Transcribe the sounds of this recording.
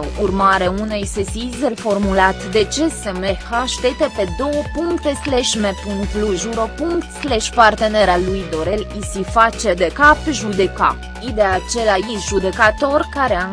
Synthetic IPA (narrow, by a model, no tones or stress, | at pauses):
urmaɾeaunejsesizelfo̞rmulat̪d̪e̞t͡ʃesemehaʃt̪et̪epe̞d̪o̞wəpuŋkt̪esleʃmepuŋkt̪luʒuɾopuŋkt̪sleʃpart̪e̞neɾalujd̪o̞ɾelisifat͡ʃed̪ekapʒud̪eka̰p | id̪eat͡ʃe̞laiʒud̪e̞kat̪o̞rkaɾea